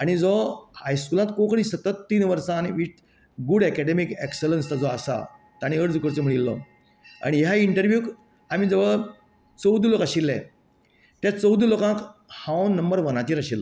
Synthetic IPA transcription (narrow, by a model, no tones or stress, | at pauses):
aɽ̃id͡zɔhajskulãt̪kokɽ̃ĩsət̪ət̪ːiːnʋəɾsãːniʋiʈ̚ | ɡuɽɛkɛɽemikekselənst̪ad͡zɔasa̰ | t̪aɽ̃iəɽd͡zukəɾt͡səm̤əɽilːɔ̰ | a̰ɽ̃iɦjaiɳʈəɾʋjuːk | amid͡zəʋəɭ | t͡səwd̪ulokaɕilːɛ̰̃ | t̪jat͡səwd̪ulokãkhãwnnːəmbəɾʋənat̪iːɾaɕilːɔ̰